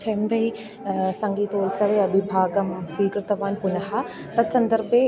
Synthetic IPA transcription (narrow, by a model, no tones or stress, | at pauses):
t͡ʃʰɐmb̪ɐi | sɐ̃ŋɡiːt̪oːlsɐʋeɐbʱibʱaːɡɐmʃiːkɾɪt̪ɐʋaːnpʊnɐha | t̪ɐsɐ̃nd̪əɾbe